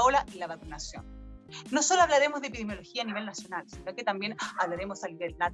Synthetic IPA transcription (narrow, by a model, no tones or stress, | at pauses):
olaʔelaβakunasjo̰nːo̞so̞loaβlaɾemozðepiðemjo̞loxiaːniβe̞lnasjo̞nalsinoket̪ambje̞naβlaɾe̞mo̞saliβelna